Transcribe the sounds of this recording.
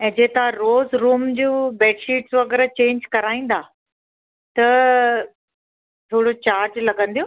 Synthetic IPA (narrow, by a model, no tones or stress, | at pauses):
ɛ̃ːd͡ʑeːt̪ãɾoːzɾuːmd͡ʑuːbɛːʈʃiːʈsʋɐɡɛɾt͡ɕẽːɲd͡ʑkɐɾaːĩːn̆d̪aː | t̪ɐ | t̪ʰoːɽot͡ɕaːɾd͡ʑlɐɡə̃n̆d̪ijõː